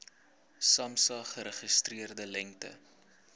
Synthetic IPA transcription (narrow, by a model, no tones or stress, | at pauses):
sɐmsɑχəɾəχəstriərdəlɛŋtə̰